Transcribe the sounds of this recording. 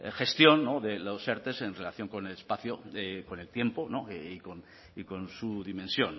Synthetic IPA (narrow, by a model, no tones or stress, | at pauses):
xe̞st̪jo̞nːo̞ðe̞lose̞ɾt̪e̞se̞nre̞laθjo̞ŋko̞ne̞lespaθjo̞eko̞ne̞lt̪je̞mpo̞no̞iko̞n | iko̞nsuðimẽ̞nsjo̞n